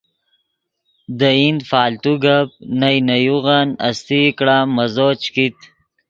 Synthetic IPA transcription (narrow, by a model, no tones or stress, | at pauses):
d̪əind̪faːlt̪uɡap̚najnɐjuɣana̰st̪ikɽamɐzot͡ʃkit̪